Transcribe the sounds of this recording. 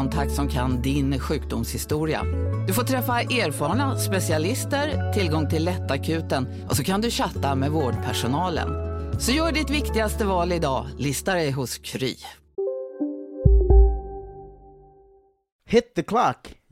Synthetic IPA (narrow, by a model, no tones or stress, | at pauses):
ɔnt̪ʰak̚t̪sɔmkʰand̪ɪnɧʉ̟ːk̚d̪ʊmshɪst̪uːɾɪa̰d̪̥ɵfoːʈ̪ʰɾɛfːaʔeːɾfɑːɾɳaspɛsɪalɪst̪əɾt̪ʰɪlɡɔŋt̪ʰɪlːɛt̪ːakʰʉ̟ːt̪ən | ʔɔsɔkʰand̪ɵɕat̪ːamɛvoːɖpʰæʂʊnɑːlə̰nsɔjœːɖɪt̪vɪkt̪ɪɡast̪əvɑːlɪd̪ɑːlɪst̪aɾɛjɦʊskʰɾy̰ː | hɪt̪ːəkʰlak